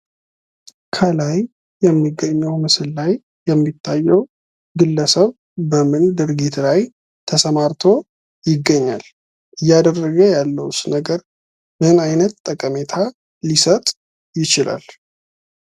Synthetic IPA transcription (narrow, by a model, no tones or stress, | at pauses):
kʰəlaj | jɛmːiɡːəɲːəwmɨsɨllajː | ɛmːit̪ʰːajːɛw | ɡɨlːəsəβ | bəmɨnd̪ɨɾɡit̪laj | t̪ʰəsəmaɾt̪ʰo̞ | jɪɡːəɲːal | ʔɨjːad̪ərːəɡəjalːəwsnəɡəɾ | mɨnajnət̪t̪ʼːəkʼəme̞t̪ʰa | lisət̪ʼ | jɪt͡ʃɪla̰l